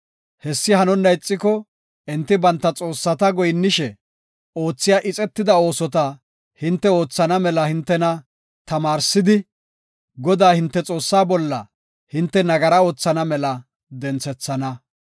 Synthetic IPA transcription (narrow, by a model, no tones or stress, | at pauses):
hɛsːɪhɐnɔnːɐjt͡sʼːɪkɔ | ʔɛnt̪ːɪbɐnt̪ːɐt͡sʼo̞ːsːɐt̪ɐɡɔjnːɪʃɛ | o̞ːt͡sːɪjaːʔɪt͡sʼɛt̪ːɪd̪ɐo̞ːsɔt̪ɐ | hɪnt̪ːɛo̞ːt͡sːɐnɐmɛlɐhɪnt̪ːɛnɐ | t̪ɐmaːɾsɪd̪ɪ | ɡɔd̪aːhɪnt̪ːɛt͡sʼo̞ːsːaːbɔlːɐ̰ | hɪnt̪ːɛnɐɡɐɾɐo̞ːt͡sːɐnɐmɛlɐ | d̪ɛnt͡sɛt͡sːɐnɐ